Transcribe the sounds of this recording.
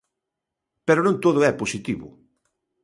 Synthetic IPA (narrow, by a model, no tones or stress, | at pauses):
pɛɾʊnõŋt̪oðʊɛposit̪iβʊ̰